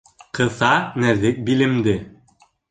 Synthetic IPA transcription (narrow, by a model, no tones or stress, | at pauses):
qɤ̆θɑnæðɘk̚bilɘ̆md̪ɘ